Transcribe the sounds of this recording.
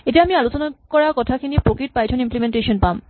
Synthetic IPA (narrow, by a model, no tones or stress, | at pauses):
eʈeamialot͡ɕonakɔɾakɔt̪ʰakinipɾokiʈ̚pajt͡ɕʰonimplemenʈeʃonpam